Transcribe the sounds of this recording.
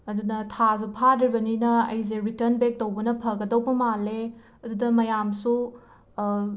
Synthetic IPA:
ɐdunɐtʰas̬upʰadɾibɐninɐɐjzeɾitɐɾnbek̚towbɐnɐpʰɐɡɐdɐwbɐmale | ɐdudɐmɐjamsu

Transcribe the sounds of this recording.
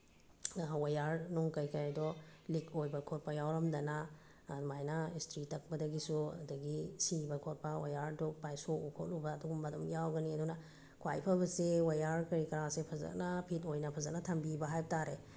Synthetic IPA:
wajaɾnuŋkɐjkʰajadɔlik̚ʰojbɐkʰot̚pajawɾɐmdɐna | majnaistɾitɐk̚bɐdɐɡisuɐdɐɡisibɐkʰot̚pawajaɾdɔpajsoʔukʰot̚ubɐːduɡumːɐdɐmjawɡɐniɐdunɐ | kʰwa̰jpʰɐbɐsewajaɾkɐɾikɐɾasepʰɐzɐ̰nɐpʰitojnɐpʰɐzɐk̚nɐtʰɐmbibɐɦajbɐtaɾe

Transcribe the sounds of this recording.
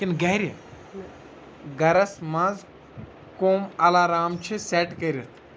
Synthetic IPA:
kinɡɐɦiɾe | ɡɐɾɐsmãz | koːmɐlaːɾaːmt͡ʃʰiseːʈkɐɾit̪ʰ

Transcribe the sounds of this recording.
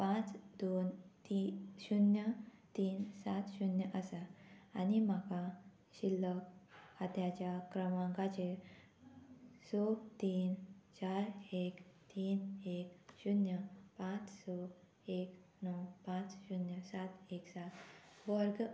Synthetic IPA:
pãt͡sd̪ont̪iɕunjət̪iːnsat̪ɕunjəʔəsaanim̤aka | ɕilːəkat̪jat͡ɕjakɾəmãŋkat͡ɕe | sɔt̪iːnt͡ɕaɾekt̪iːnekɕunjəpãt͡ssɔ | ek | nɔwpãt͡sɕunjəsat̪eksat̪ʋəɾɡ

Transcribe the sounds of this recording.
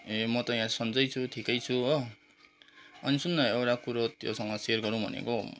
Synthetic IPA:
emʌt̪ʌjãsʌnd͡zʌjt͡sʰuʈʰikʌjt͡sʰuo | ʌnisunːʌewʈakuɾot̪jo̰sʌŋʌsejʌrɡʌɾũbʱʌ̰nḛko

